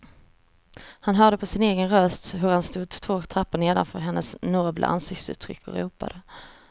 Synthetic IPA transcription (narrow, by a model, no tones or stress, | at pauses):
hanɦœːɖəpʰɔsɪneːɡənɾœst̪ɦɵɾhanst̪uːd̪t̪ʰvoːkt̪ʰɾapːəneːd̪a̰nfœːɾɦɛnːəsnɔbla̰ʔa̰nsɪk̚t̪sʉ̰ːt̪ʰːɾʏ̰kʰːɔ̰ɾuːpa̰d̪ə